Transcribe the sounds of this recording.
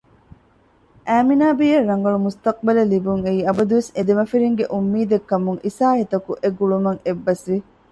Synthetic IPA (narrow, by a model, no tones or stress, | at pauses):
ʔæːminaːbijɐrːɐŋɡɐɭumust̪ɐq̚bɐlɐlibuŋeiːɐbɐd̪uʋesed̪emɐfiɾiŋɡeʔumːiːd̪ekːɐmuŋʔisaːɦit̪ɐkuʔeɡuɭumɐŋebːɐsʋi